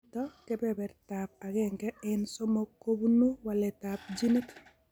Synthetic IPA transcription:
tɔkɛ˦bɛbɛ˨ɾta˨p̚a˨ɣɛŋɡɛ˦ɛnso˦mo˦kːo˦bu˦nu˦wa˨lɛ˨ta˨p̚d͡ʒi˦ne˦t

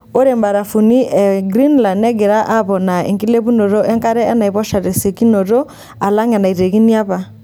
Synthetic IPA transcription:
o˦ɾe˨mba˨ɾa˨fu˨ni˦ʔɛ˨ɡɾi˦nla˨nɛ˦ɡɛ˨ɾa˦ʔa˦βɔ˨na˨ḛ˨ŋki˦le˦βu˦no˨ɾo˦ɛ˦ŋka˦ɾɛ˦ɛ˦na˨i˨βɔ˦ʃa˨ɾe˨se˨ki˦no˨ɾo˦ | a˨la˦ŋɛ˨na˨i˨ɾe˨ɣi˦ni˦a˦βa˨

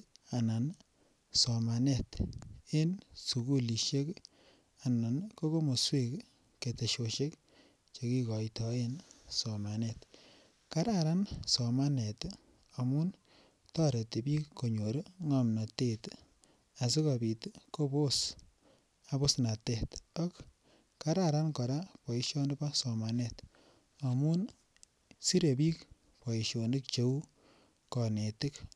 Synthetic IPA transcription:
a˨na˨n | sɔ˨ma˨nɛ˦te˦nsu˨ku˦li˨ʃe˦k | a˨na˨nko˦ko˦mo˨swe˦k | ke˨te˨ʃoʃe˦k | t͡ʃe˧ki˦kɔ˨jtɔensɔ˨ma˨nɛ˦t | ka˦ɾaɾa˦nsɔ˨ma˦nɛ˨t | a˨mu˦n | tɔ˦ɾe˨ti˨bi˦kkːo˨ɲo˨ɾi˦ŋamna˨te˦t | a˨s̬i˦kɔ˨bi˨tko˦po˦s | a˨bo˦sna˨te˦tɔ˦k | ka˦ɾa˨ɾa˦nkɔ˨ɾa˦pɔ˨iʃo˦nɪ˦pa˦sɔ˨ma˨net | a˨mu˦n | si˦ɾe˨pi˦k | pɔ˨i˨ʃo˨nɪ˦kt͡ʃe˦u˦ | kɔ˨ne˨tɪ˦k

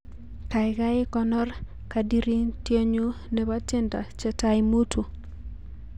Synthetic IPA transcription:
ka˨ɪ˨ka˦ɪ˦kɔ˦nɔ˦r | ka˨di˦ɾi˦ntje˦ɲu˦ | ne˨ba˦tɪ˦nta̰˨t͡ʃɛ˨ta˨ɪmu˦tʰu˨

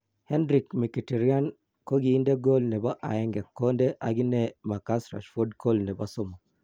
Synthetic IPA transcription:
hɛ˦ndɾi˨kmi˨ki˨ti˨ɾi˦a˦n | ko˦ɡi˨˦nde˦ɡo˦lnɛ˨ba˦ʔa̰˨ɛ˦ŋɡɛ˨kːo˦ndɛ˦ʔa˨ɡi˦nɛ˦ma˨ka˦sɾa̰˨ʃfo˦dkʰo˦lnɛ˨ba˦so˦mo˨

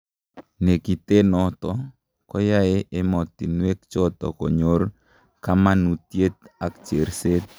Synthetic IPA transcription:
ne˨ki˨t̪e˦nɔ˦t̪ɔ˦ | kɔ˦ja˦e˦ʔe˦mɔ˨t̪i˨nwe˦k̚t͡ʃɔ˦t̪ɔ̰˨kɔ̰˨ɲo˦r | ka˦ma˦nu˨t̪je˦t̪a˨kt͡ʃe˨ɾse˦t̪̚

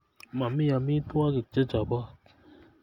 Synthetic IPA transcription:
ma˨mi˦ja˨mĩ˦t̪u˦a˦ki˨d͡ʒɛ˦d͡ʒa˨ba˦˨

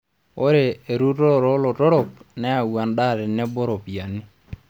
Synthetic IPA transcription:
o˦ɾeː˨ɾu˦tɔ˦˨ɾɔ˦lɔ˨tɔ˦ɾɔ˨p̚nɛ˦a˨wa˨nɗa˦˨ɾɛ˨nɛ˦bɔ˦ɾɔ˨pja˨nɪ˦

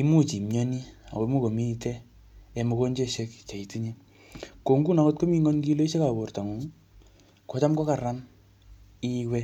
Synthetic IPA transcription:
i˦mu˦t͡ʃi˨mɲɔ˦ni˦a̰˨ko˨˦mu˦ko˨mi˦i˧tɛ˦ | e˧mo˧ko˦ɲd͡ʒe˦ʃe˦kt͡ʃa˨i˨tu˦ɲe˦ | ko˨ŋɡu˦na˦ko˦t̚ko˦mi˦ŋɔ˦nki˦lo˦i˦ʃe˦ka˨bo˨rta˨ŋu˨˦ŋ | kɔ˨˦t͡ʃa˦mkɔ˦ka˨ɾa˦m | i˦wɛ˦

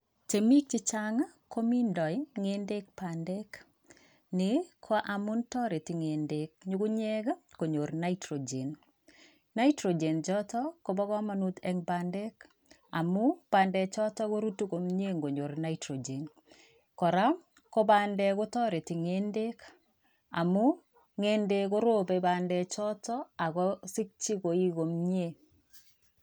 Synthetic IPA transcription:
t͡ʃe˨mi˦k̚t͡ʃɪ˦t͡ʃa˦ŋa˦ko˦mi˦ndɔ˨i˦ŋe˦nde˦k̚pandɛ˦k | ne˨kʰwa˦ʔa˨mʊ˦ntɔ˦ɾe˨tɪ˨ŋe˨nde˨k̚ɲu˦ɡu˦ɲɛ˦ɡa˦ko˨ɲo˨ɾna˦itɾo˨d͡ʒe˨n | na˦i˦tɾo˨d͡ʒe˨nd͡ʒɔ˦tɔ˦ko˦bɔ˦ɡɔ˦ma˨nu˦t̪ɛ˦ŋpandɛ˦k | a̰˨mu˦b̥aː˨ndɛ˨t͡ʃɔ˦tɔ˦ɣo˦ɾu˦tu˦ko˨mɲe˦ŋɡo˨ɲo˨ɾna˦itɾo˨d͡ʒe˨n | kɔ˨ɾa˦ | ko˦baː˦ndɛ˦ko˦tɔ˦ɾe˨ti˨ŋe˦nde˦k | a̰˨mu˦ | ŋe˦nde˦ko˦ɾo˦be˦ba˨ndɛ˨t͡ʃɔ˦tɔ˦a˨ɣɔsi˦k̚t͡ʃi˦ko˨i˦ɣo˨mɲe˦˨

